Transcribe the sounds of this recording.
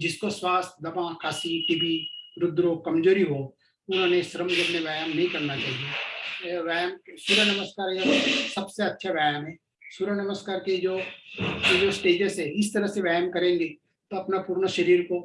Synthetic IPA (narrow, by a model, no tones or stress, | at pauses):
d͡ʒɪskoswaːst̪ʰd̪ɐmãkaːsiʈɪbiɾʊd̪ːɾokɐmd͡ʒoːɾiɦo | ʊnɦõːneʃɾəmɡɪɾneʋajmːɐɦĩkɐɾnat͡ʃaːɦie | ʋɛːjmksʊɾənɐməskaːɾjaosɐbseɐtːʃʰaʋaːjəmɦɛː | sʊɾənɐməskaːɾked͡ʒoː | d͡ʒosʈeːd͡ʒəsɦɛɪst̪ɐɾəseʋaːjəmkɐɾẽːŋɡe | t̪oɐpnapuːɾnəʃɐɾiːɾko